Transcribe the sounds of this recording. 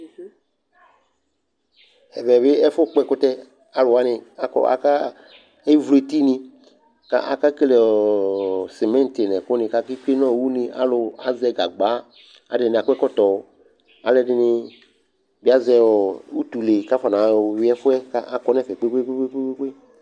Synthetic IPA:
ɛ˨vɛ˨βɪ˦ɛ˦fʊ˦k͡pɛ˦˨kʊ˦t̪ɛ˦ | a˨lʊ˨a˦nɪ̃˧a˨kɔ̰˦a̰˨ka˦ | ɛ˦vle˨t̪i˦nĩ˧ | ka̰˦ʔa˨ka˦ke˦lɛ˨ɔ˨si˨mɛ̃˦n˦t̪ɪ˨nɛ̃˨kʊ˦nɪ̃˨ka˦ki˦ke˦nɔ̃˦˨wu˦nɪ̃˧a̰˦lʊ˨a˨˦zɛ˧˨ɡa̰˨ɡ͡ba˨˦ | a̰˨dɪ˨nɪ̃˨a˨kɛ˦kɔ˦t̪ɔ˨ | a˨lɛ˦dɪ˨nɪ˧ | bi˦a˦zɛ˧wɔ˨u˦t̪u˨le˨ka˦fa˨nã˨wi˦ɛ˦fʊ˦ɛ˦ka˦ʔa˦kɔ˦nɛ˦˨fɛ˨k͡pe˦k͡pe˦k͡pe˦k͡pe˦k͡pe˦k͡pe˦k͡pe˦

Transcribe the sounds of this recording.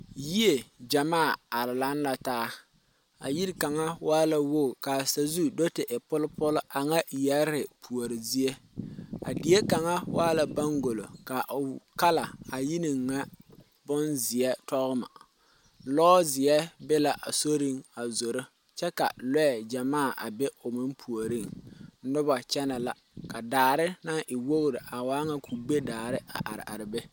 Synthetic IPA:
ji˦e˨d͡ʒa˨maː˦˨a˨ɾɪ˨la˦nla˨taː˦ | a̰˨ji˦ɾka˨ŋa˦waː˦la˨wo˦˨ka˨sa˨zu˦do˦tɪ˨ʔɪ˨pʊ˦lpʊ˦lʊ˦ʔa˨ŋa˦˨jɛ˦ɾɪ˨pʰu˨o˨ɾɪ˨zi˦e˦a̰˨dɪ˨˦e˦ka˨ŋa˦waː˦la˨ba˦ŋɡo˨lo̰˨ka˨ʔka˦la˨a˨ji˦ni˨ŋːa˦ | bʊ˦nzɪ˨ɛ˦tɔ˦ɣʊ˦ma̰˨ | lɔː˦zɪ˨ɛ˦bɛ˦la˨ʔa˨so˦ɾi˦ŋa˨zo˨ɾɪ˦ | t͡ʃɛ˦ka̰˨lɛ˦ɛ˨d͡ʒa˨maː˦˨ʔa̰˨bɛ˦ʊ˨mɪ˦mpʰu˨o˨ɾi˦ŋ˦nʊ˦ba˨t͡ʃɛ˦na˨la˨ | ka˨daː˨ɾɪ˦na˦ŋʔɪ˨wo˦ɣɾɪ˨ʔa˨waː˦ŋa˦kʰu˨ɡ͡be˦daː˨ɾɪ˦a˨ʔa̰˨ɾɪ̰˨ʔa̰˨ɾɪ˨bɛ˦

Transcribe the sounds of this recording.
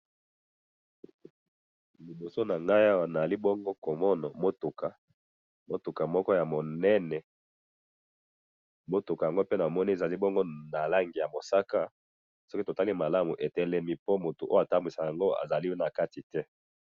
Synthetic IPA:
li˨bo˨so˦na˨ŋɡa˦ja˦wa˨na˨a˨li˦bɔ˦ŋɡo˦ko˨mɔ˦na˨mo˦tu˨ka˨ | mo˦tu˨ka˨mɔ˦kɔ˦ja˨mo˨nɛ˦nɛ˨ | mo˦tu˨ka˨ja˨ŋɡo˦pe˦na˨mɔ˦ni˦e˨za˨li˦bɔ˦ŋɡo˦na˨la˦ŋɡi˨ja˨mo˨sa˦ka˦ | sɔ˦ki˦to˨ta˦li˦ma˨la˦mu˨ʔe˨tɛ˦lɛ˦mi˦po˦mo˨tu˨ʔo˦a˨ta˦mbi˨sa˨ja˨ŋɡo˦a̰˨za˨li˦na˨ka˦ti˨tɛ˦

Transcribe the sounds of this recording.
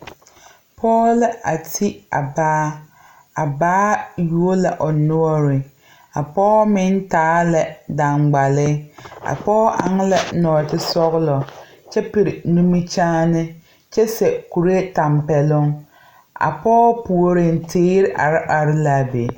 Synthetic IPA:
pʰɔː˦lɪ˦a˨tʰi˦a̰˨baː˦ | a˨baː˦ju˦o˦la˨ʔɔ˨nɔ˦ɔ˦ɾɪ˨ | a˨pɔː˦mɪ˦n˦taː˦lɛ˨da˨ŋɡ͡ba˨lɪ˦a̰˨pɔː˦ʔa̰˨ŋ˦la˦nɔː˨tɪ˦sɔ˦ɣʊ˦lɔ˨ | t͡ʃɛ˦pɪ˨ɾɪ˨nu˦mi˦t͡ʃaː˦nɪ˦ | t͡ʃɛ˦sɛ˨ku˨ɾe˦ta˨mpɛ˨lʊ˦ŋ | a̰˨pɔː˦pu˨o˨ɾɪ˨n˦tʰeː˦ɾɪ˦ʔa̰˨ɾɪ˦ʔa˨ɾɪ˦la˨be˨

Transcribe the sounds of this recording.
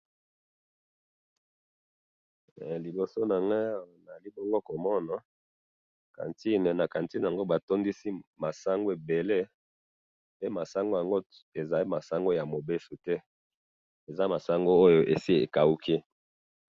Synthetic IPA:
li˨bo˨so˦na˨ŋɡa˦˨na˨li˦bo˦ŋɡo˦ko˨mɔ˦na˨ | ka̰˨nti˦n˨na˨ka˨nti˦n˨a˨ŋɡo˦ba˨to˦ndi˦si˦ma˨sa˦ŋɡo˦e˨be˨le˦ | pe˦ma˨sa˦ŋɡo˦ja˨ŋɡo˦ | e˨za˨li˦ma˨sa˦ŋɡo˦ja˨mo˨be˦su˨tɛ˦ | e˨za˦ma˨sa˦ŋɡo˦o˦jo˦ʔe˨si˦ḛ˨ka˨u˦kʰi˦

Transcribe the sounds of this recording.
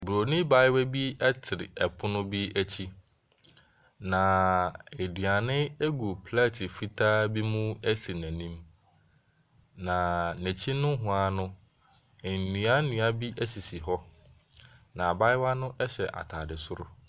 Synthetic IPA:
bu˨ɾo˨nĩ˦ba˦jɪ˦wɛ˦bi˦ɛ˦tʰɪ˨ɾɪ̰˨ɛ˨pʰʊ˦nʊ̃˦bi˦æ˦t͡ɕʰi˦ | nã˨e˨dɥa˨nɪ̃˦e˦ɡu˨pʰla˦˨tʰɪ˨fi˦tʰaː˦bi˦mũ˦æ˦si˨næ̃˨nĩ˦m | nã˨næ̃˨t͡ɕʰi˦nʊ̃˦ɦʊ̃˨a˨nʊ̃˦˨ | nĩ˨a˦nũ˨˦a˦bi˦ʔæ˦si˨si˨ɦɔ˦ | nã˨ba˦jɪ˦wa˦nʊ̃˦ʔɛ˦ɕɛ˨ʔa̰˨tʰaː˨dɪ˨sʊ˦ɾʊ̰˦

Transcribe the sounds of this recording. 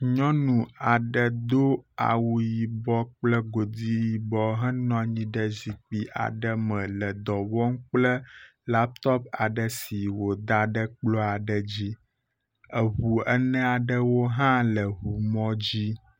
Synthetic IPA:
ɲɔ̃˦nũ˨a˨ɖə˨d̪o˦a̰˨wu˨ji˨bɔ˦k͡plə˦ɡo˨d̪i˦ji˨bɔ˦ɦə̃˦nɔ̃˦ɲĩ˦ɖə˦zi˨k͡pi˨ʔa̰˨ɖə˦mə̃˨lə˨d̪ɔ˨wɔ˦mk͡plə˦ | la˦p̚t̪ɔ˦p̚a˨ɖə˨si˨wo˨d̪a˨ɖə˦k͡plɔ˦a˨ɖə˨d͡ʑi˦ | ə˨ɦu˨ə˦nɛ̃˦a˨ɖə˦wo˦ɦã˦lə˨ɦu˨mɔ̃˦d͡ʑi˦

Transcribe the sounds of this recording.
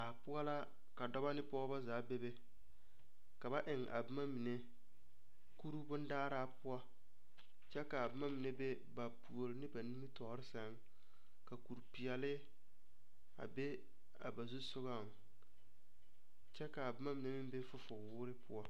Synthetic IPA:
a˨pʊ˦a˦la˦ | ka˨dɔ˦ba˦nɪ˦pɔ˦ɔ˦ba˦zaː˨˦be˦be˦ | ka˨ba˦ʔɪ˨ŋʔa̰˨bɨ˦ma˦mi˨ne˦ | ku˦ɾu˦bʊ˦n˦daː˦ɾaː˦pʊ˦a˦ | t͡ʃɛ˦ka˨a˨bɪ˦ma˦mi˨ne˦be˦ | ba˨pu˨o˨ɾɪ˦nɪ˦ba˨ni˦mi˦tɔ˨˦ɾɪ˦sa˨˦ŋ˦ | ka˨ku˨ɾpi˨ɛ˨lɪ˦ | a̰˨be˦ | a̰˨ba˨zu˦sʊ˦ɡa˦˨ŋ˨ | t͡ʃɛ˦ka˨a˨bɪ˦ma˦mi˨ne˦mɪ˦m˦be˦fʊ˦fʊ˨wʊː˦ɾɪ˦pʊ˦a˦

